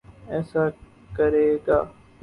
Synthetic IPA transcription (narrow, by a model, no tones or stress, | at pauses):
ɛːsaː | kəɾeːɡaː